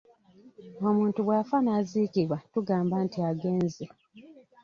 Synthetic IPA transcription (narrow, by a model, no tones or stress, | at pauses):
omuːntuβwaːfanaːziːkiβwatuɡaːmbantiaɡe̞ːnzi